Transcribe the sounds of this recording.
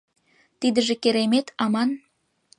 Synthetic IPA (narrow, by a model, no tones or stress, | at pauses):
t̪id̪ə̆ʒekeɾemet̪ɑmɑn